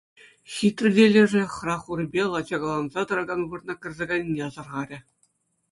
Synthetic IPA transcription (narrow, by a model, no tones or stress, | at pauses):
ɕʲit̪rʲɘ̆dʲelʲɘ̆ʐɘ̆χrɑχurbʲelˠɑd͡ʑɑɡɑlˠɑnzɑt̪ɤ̆ɾɑɡɑnʋɯrnɑkʲɘ̆rʲzʲeɡɑnʲnʲeɑzɤ̆rʁɑɾʲɘ̆